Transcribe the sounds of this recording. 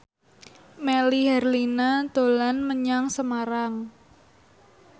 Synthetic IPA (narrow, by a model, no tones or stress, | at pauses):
melihɛrlinad̪̥o̤lanməɲaŋsəmaɾaŋ